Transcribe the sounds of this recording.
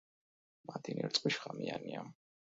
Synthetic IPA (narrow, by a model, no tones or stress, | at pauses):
mad̪iniɾt̪sʼqʼwiʃχamiania